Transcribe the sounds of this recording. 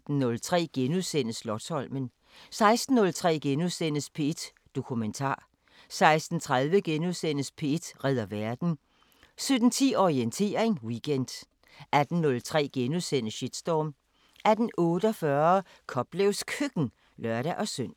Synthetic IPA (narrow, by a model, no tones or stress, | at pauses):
d̥n̩ːɔ̽lt͡sʰʁɛ̰ːɡ̥enuðˠsen̰əslɒ̥̽shɒ̽l̰mən | sɑ̈ɪsd̥n̩ːɔ̽lt͡sʰʁɛ̰ːɡ̥enuðˠsen̰əspʰe̝ed̥ | d̥o̝kʰument͡sʰɑ̰̈ː | sɑ̈ɪsd̥n̩t͡sʰʁaðˠʋəɡ̥enuðˠsen̰əspʰe̝ed̥ʁɛð̞̰ˠɐʋæɐd̥n̩ | sød̥n̩t͡sʰḭːɒʁient͡sʰe̝̰ːɐeŋwiɡ̥end̥ | æd̥n̩ːɔ̽lt͡sʰʁɛ̰ːɡ̥enuðˠsen̰əɕid̥sd̥ɒːm | æd̥n̩ɔ̽ːɾəɒ̽fɶɐ | kʰɒ̽b̥lɛʊskʰøɡ̥n̩ | lɶɐɾ̥æʔɒ̽søn̰